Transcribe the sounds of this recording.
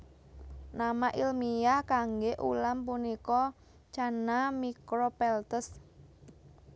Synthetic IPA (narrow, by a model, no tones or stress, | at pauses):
namaʔilmijakaŋɡeʔṵlampunikɔ | t͡ʃanamikɾɔpɛlt̪əs